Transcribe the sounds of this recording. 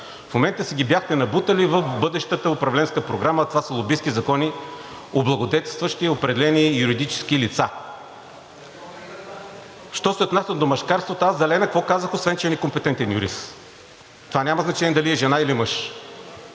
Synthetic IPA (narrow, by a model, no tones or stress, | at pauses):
fmomɛnt̪əsɛɡʲibjaxt̪ɛnɐbut̪əlivəfbɤd̪ɛʃt̪ət̪əopɾɐvlɛnskəpɾoɡɾamət̪ovasəlˠobiskizɐkɔni | oblˠɐɡod̪ɛt̪ɛst̪vəʃt̪iopɾɛd̪ɛlɛnijuɾid̪it͡ʃɛ̥sk̟ilit̪sa | ʃt̪ɔsɛot̪nasʲəd̪omɐʃkaɾst̪vot̪oazd̪ɐlɛnɐkvɔkazəxosvɛnt͡ʃɛnɛkompɛt̪ɛnt̪ɛnjṵɾḭst̪ | t̪ovanʲaməznɐt͡ʃɛnʲiɛd̪ɐliɛʒɛnailimɤʃ